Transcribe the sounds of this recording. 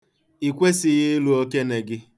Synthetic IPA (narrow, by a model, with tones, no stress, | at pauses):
i˨kʷe˦sɪ˦ɣɪ˦lu˦o˦ke˦ne˨ɡɪ˦